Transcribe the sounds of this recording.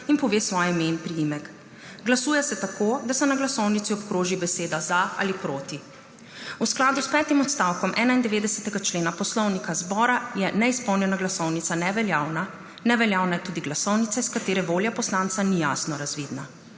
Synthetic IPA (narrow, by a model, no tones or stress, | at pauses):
inpɔʋeːsʋɔjɛmenpɾijimɛk | ɡlasuːjɛsɛt̪akod̪asɛnaɡlasɔwnit̪siɔpkɾoːʒibɛseːd̪azaa̰lipɾoːt̪i | usklaːd̪uspɛːt̪imɔt̪st̪awkɔmʔɛːnaind̪ɛʋeːd̪ɛsɛt̪ɛɡat͡ʃleːnapɔslɔwnikazbɔːɾajɛnɛispɔwnjɛnaɡlasɔwnit̪sanɛʋɛljaːwna | nɛʋɛljaːwnajɛt̪uːd̪iɡlasɔwnit̪saiskat̪eːɾɛʋoːljapɔslaːnt̪sanija̰snɔɾazʋiːd̪na